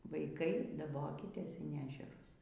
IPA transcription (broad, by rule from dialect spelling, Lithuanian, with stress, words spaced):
ʋɐɪˈkɐɪ dɐˈboːkʲɪtʲeːs ɪn ˈæːʒʲɛrʊs